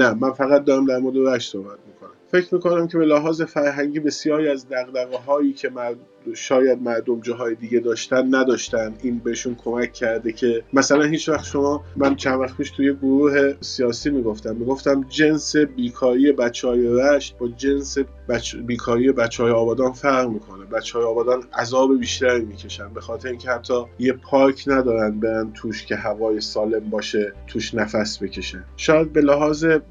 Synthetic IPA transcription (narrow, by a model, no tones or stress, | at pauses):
næmænfæɣæt̪̚d̪ɒːɾæmd̪æɾmɔːɾd̪eɾæʃt̪so̞hbæt̪̚miːkʰo̞næmfe̞cʰɾmiːko̞næmcʰe̞be̞læɦɒːze̞fæɾɦæŋɟiːbe̞sijɒːɾiæzd̪æɣd̪æɣeɦɒːjiːcʰe̞mæɾ | ʃɒːjæd̪̚mæɾd̪omd͡ʒɒːɦɒːjed̪iɡɟe̞d̪ɒːʃt̪ænd̪næd̪ɒːʃt̪ænd̪iːnbeeʃunkʰo̞mæcʰːæɾd̪ecʰe̞mæsælænhiːt͡ʃvæxt̪ʃo̞mɒːmænt͡ʃʰænvæxtpʰiːʃt̪ʰujeɡoɾuːɦe̞sijɒːsiːmiːɡoft̪æmːiːɡo̞ft̪æmd͡ʒe̞nse̞biːkʰɒːɾiːje̞bæt͡ʃʰːeɒːje̞ɾæʃt̪̚bɒːd͡ʒense | bæbiːkʰɒːɾije̞bæt͡ʃːjeɒːbɒːd̪ɒːnfæɾʁmiːkʰonebæt͡ʃʰːhːjeɒːbɒːd̪ɒːnæzɒːbe̞biːʃt̪æɾiːmiːcʰe̞ʃænbe̞xɒːt̪ʰe̞ɾeiŋcʲʰehæt̪ʰːɒːjepʰɒːɾkʰnæd̪ɒːɾænd̪̚be̞ɾænt̪ʰuːʃcʰe̞ɦævɒːje̞sɒːle̞mbɒːʃe̞t̪ʰuːʃnæfæsbe̞cʰe̞ʃænʃɒːjæd̪̚be̞læɦɒːze̞